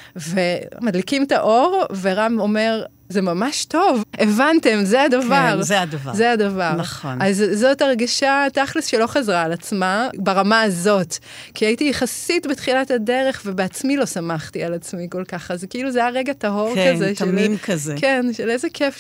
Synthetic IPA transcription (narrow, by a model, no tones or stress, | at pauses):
vemad̪likimtaʔo̞ʁveʁamo̞me̞ʁ | zemamaʃto̞vevante̞mzeadavaʁzeadavazeadavaʁnɐχonazːo̞taʁɡiʃataχlesʃelo̞χazʁaːlat͡smabaʁamaːzo̞t | kiajitijeχasitbetχilatade̞ʁe̞χvebeat͡smilo̞samaχtialat͡smiko̞lkaχazkiiluzejaʁeɡataɦo̞ʁkazeʃmnimkazekenʃelezekʰef